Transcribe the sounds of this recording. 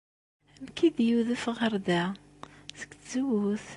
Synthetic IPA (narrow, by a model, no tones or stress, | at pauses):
əmkid̪juðəfʁəɾˤd̪æ | sə̥kz̥əwuθ